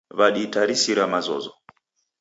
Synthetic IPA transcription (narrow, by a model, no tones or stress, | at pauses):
βaɗitaɾisiɾamazɔ̰zɔ